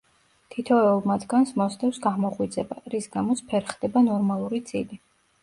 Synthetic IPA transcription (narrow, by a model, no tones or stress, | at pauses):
t̪ʰit̪ʰɔɛulˠmad̪ɡansmɔst̪ʼɛfsɡaʁmɔʁwid̪zɛbaɾisɡamɔt̪sʰpʰɛɾχd̪ɛbanɔɾmalˠuɾid̪z̥ʼili